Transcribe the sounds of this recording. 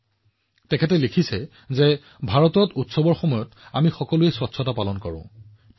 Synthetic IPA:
tɛkʰɛtɛlekʰisɛ | zɛ | bʱaɹɔtɔtutsɔbɔɹxɔmɔjɔtamixɔkɔluɛswɔtsʰɔtapalɔnkɔɹʊ̰̃

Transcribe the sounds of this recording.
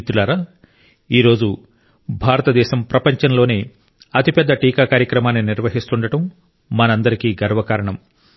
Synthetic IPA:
t̪ːulaːɾa | iːɾo̞ːd͡ʒu | bʱaːɾɐt̪ɐd̪ɛːʃɐmpɾɐpɐɲt͡ʃɐnlo̞ːneː | ɐt̪ipɛd̪ːɐʈiːkaːkaːɾjɐkɾɐmaːnːiniɾʋɐɦist̪uɳɖɐʈɐmː | ɐnɐnd̪ɐɾikiːɡɐɾɐʋɐkaːɾɐɳɐm

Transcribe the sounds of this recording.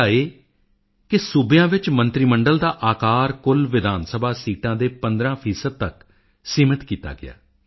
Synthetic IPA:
aːeː | kɪsʊbjãːʋɪt͡ʃmə̃nt̪ɾiːməɳɖəld̪aːʔaːkaːɾkʊlʋɪd̪aːnsəbʱaːsiːʈãːd̪eːpə̃nd̪ɾãːpʰiːsəd̪̚t̪ək | siːmət̪kiːt̪a̰ːɡɪ̰a̰ː

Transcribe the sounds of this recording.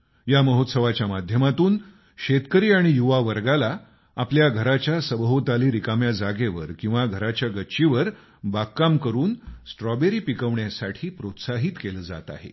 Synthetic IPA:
jaməɦot̪səʋat͡ɕjamad̪ʱjəmat̪uːn | ɕet̪kəɾiːaɽ̃ijuʋaʋəɾɡala | apljaɡʱəɾat͡ɕjasəbəɦot̪aliːɾikamjad͡zaɡeʋəɾkĩw̃ʋaɡʱəɾat͡ɕjaɡətːɕiʋəɾ | bakːamkəɾuːnsʈɾɔbeɾiːpikəʋɳjasaʈʰiːpɾot̪saɦiːt̪keləd͡za̰t̪a̰ɦḛ

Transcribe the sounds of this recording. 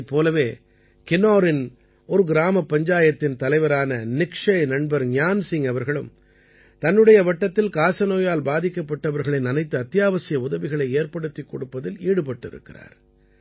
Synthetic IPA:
pːoːlɐʋeː | kɪnoːɾɪn | ɔɾɯɡɪɾaːmɐpːɐɲd͡ʒaːjɐt̪ːɪnt̪ɐlɐɪʋɐɾaːnɐnɪkʂɐɪnɐɳbɐɾɲjaːnsɪŋɐʋɐɾɣɐɭɯ̰m | t̪ɐnːɯɽɐjɐʋɐʈːɐt̪ːɪlkaːsɐnoːjaːlbaːðɪkːɐpːɐʈːɐʋɐɾɣɐɭɪnɐnɐɪt̪ːɯɐt̪ːɪjaːʋɐsɪjɐʊðɐʋɪɣɐɭɐɪeːɾpɐɽɯt̪ːikːɔɽɯpːɐðɪliːɽɯpɐʈːɪ̰ɾɯ̰kːɪ̰ra̰ːɾ

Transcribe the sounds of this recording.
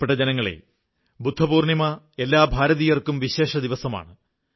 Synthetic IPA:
peʈːɐd͡ʑenɐŋːɐɭḛ | bud̪ʱːɐbuːrɳimɐ | e̞lːaːbʱaːɾɐðijɐrkumʋiɕe̞ːʂɐd̪iʋɐsɐma̰ːɳɨ

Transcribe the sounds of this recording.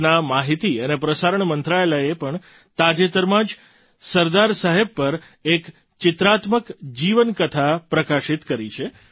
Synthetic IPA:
namaɦit̪iənepɾəsaɾəɳmənt̪ɾaelaepəɳ | t̪ad͡ʒet̪əɾmãd͡ʒ | səɾd̪aɾsaɦeb̚pːəɾ | ek | t͡ʃɪt̪ɾat̪məkd͡ʒiʋənkət̪ʰapɾəkaʃit̪kəɾit͡ʃʰe

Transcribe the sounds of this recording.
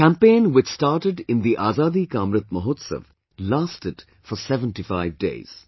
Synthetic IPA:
kæ̃mpẽːnwɪt͡ʃstaːɾʈɪɖɪ̃nd̪iʔaːzaːd̪ikaːmɾət̪̚məɦoːt̪sə̰ʋ | laːsʈɪd | fɔsɛʋə̃nʈifaɪʋdḛːz̥

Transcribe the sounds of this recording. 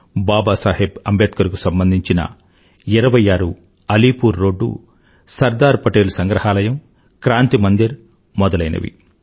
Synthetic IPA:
baːbaːsaːɦebɐmbeːt̪̚kɐɾɐkusɐmbɐnd̪ʱiɲt͡ʃinɐ̰ | iɾɐʋɐjaːɾu | ɐliːpuːɾːo̞ːɖːṵ | sɐɾd̪aːɾpɐʈeːlusɐŋɡɾɐɦaːlɐjɐm | kɾaːnt̪imɐnd̪iɾ | mɔd̪ɐlɐjnɐ̰ʋḭ

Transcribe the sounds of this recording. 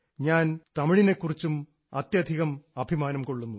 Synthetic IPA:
ɲaːnt̪ɐmiɻine̞kːurit͡ɕːum | ɐt̪jɐd̪ʱiɣɐmɐbʱimaːnɐmko̞ɭːunːu

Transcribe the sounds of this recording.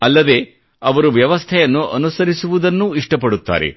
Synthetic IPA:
ɐlːɐd̪e̞ː | ɐʋɐɾuʋjɐʋɐst̪ʰɐjɐnːuʔɐnusɐɾisuʋud̪ɐnːuiʂʈɐpɐɽut̪ːa̰ːɾḛ

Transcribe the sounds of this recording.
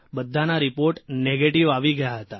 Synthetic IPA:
bəd̪ʱːanaɾipoɾʈneɡeʈiʋaʋiɡəjaɦət̪a

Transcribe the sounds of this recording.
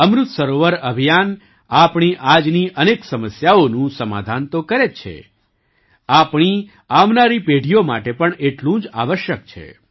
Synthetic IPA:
əmɾut̪səɾoʋəɾəbʱijan | apɳ̃iʔad͡ʒniʔəneksəməsjaonũsəma̰d̪ʱant̪okəɾet͡ʃʰḛ | apɳ̃i | amnaɾipeɽʱijoma̰ʈepəɳeʈlũd͡ʒa̰ʋəʃjək̚t͡ʃʰḛ

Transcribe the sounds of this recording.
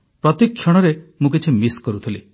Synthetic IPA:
pɾɔt̪ikʰːjɔɽ̃ɔɾemũk̬it͡ʃʰimiskɔɾut̪ʰili

